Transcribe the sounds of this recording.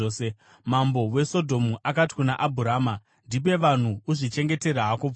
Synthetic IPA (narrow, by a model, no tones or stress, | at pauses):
oːse | mambo̞we̞so̞dʱo̞muʔakati̥kunaʔabʱuɾaːma | ndip̬e̞ʋan̤uːʐit͡ʃe̞ŋɡe̞te̞ɾaɦaku